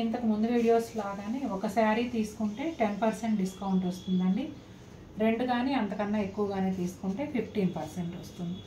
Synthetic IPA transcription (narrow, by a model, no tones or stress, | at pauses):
int̪ɐkumund̪uʋiːɽijo̞ːslaːɡaːneːɔkɐsaːɾiːt̪iːsu̥kuɳʈe̞ːʈe̞npɐɾse̞ɳʈ̚ɖiskɐwɳʈost̪und̪ɐɳɖi | ɾe̞ɳɖuɡaːneːɐnt̪ɐkɐnːaːe̞kːuʋɐɡaːne̞ːt̪iːsu̥kuɳʈe̞ːpʰipʰʈiːnpɐɾse̞ɳʈost̪und̪i